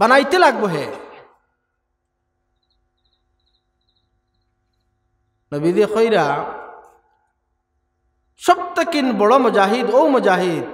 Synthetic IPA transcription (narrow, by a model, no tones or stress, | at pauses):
bɐnajt̪elaɡ̚boɦe | nəbid̪exojɾa | sɔb̚t̪əkinbɔɽɔmʊd͡ʒaːɦid̪owmʊd͡ʒaːɦid̪̚